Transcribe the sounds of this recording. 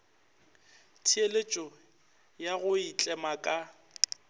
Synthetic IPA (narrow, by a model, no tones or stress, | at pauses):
tʰielet͡ʃʼɔ | jaɣʊit͡ɬʼɛmakʼa